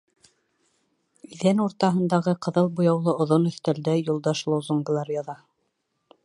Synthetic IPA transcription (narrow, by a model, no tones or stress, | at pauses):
iðænuɾt̪ɑɦɤ̆nd̪ɑʁɤqɤ̆ðɤlˠbujɑwlˠɤŏðonɵ̆θt̪æld̪æjulˠd̪ɑʃlˠowzuŋɡlˠɑɾjɑðɑ